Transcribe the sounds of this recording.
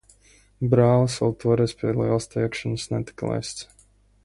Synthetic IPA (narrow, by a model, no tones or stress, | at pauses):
bɾaːvəsɔlˠt̪ʰuɔɾɛspʲiɛlˠiɛlˠst̪iːɛkʃansnɛt̪i̥klˠa̰jst̪s